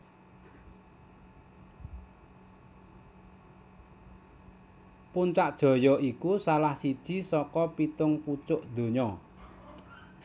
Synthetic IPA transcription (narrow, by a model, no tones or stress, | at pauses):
punt͡ʃaʔd̥ʒ̥ɔ̤jɔʔikusalahsid̥ʒ̥i̤sɔkɔpit̪ʊŋput͡ʃʊʔd̪̥o̤ɲɔ